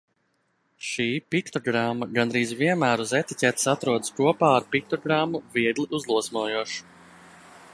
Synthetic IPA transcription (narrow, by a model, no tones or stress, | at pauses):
ʃiːpikt̪oɡɾamːaɡanɾiːzviɛnmæːɾuzɛt̪icʲɛt̪sat̪ɾuɔd̪əskuɔpaːaɾpik̚t̪ɔɡɾamːuviɛɡ̪lˠiʔuzlˠuɔsmuɔjuɔʃu̥